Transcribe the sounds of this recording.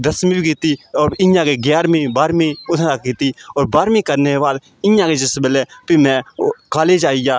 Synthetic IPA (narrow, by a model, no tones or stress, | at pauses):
d̪əsmĩːbikiːt̪iːɔːɾɪ̃jãːkeːɡjaːɾmĩːbaːɾmĩːʊsakiːt̪iːɔːɾbaːɾmĩːkəɾneːbaːd̪ | ɪjãːked͡ʒəsbəleːpiːmɛ̃ːkaːleːd͡ʒaːijaː